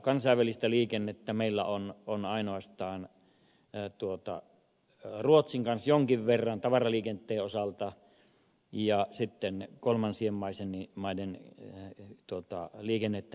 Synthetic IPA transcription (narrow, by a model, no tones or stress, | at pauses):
kɑnsɑˑiʋʋælist̪æliːkenːet̪ːæmeˑilːæ̰ononɑˑinoɑst̪ɑːn | t̪uot̪ɑ̰ | ruot̪siŋkɑnsjoŋkiʋʋerːɑnt̪ɑʋɑrɑliːkent̪ːˑeːosɑlt̪ɑ | jɑsit̪ːenkolmɑnsiemmɑˑisenːimɑˑiden | t̪uot̪ɑ̰liːkenːet̪ːæ